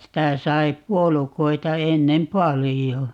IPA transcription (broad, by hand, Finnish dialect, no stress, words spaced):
sitæ sɑi puolukoitɑ enːem pɑlijo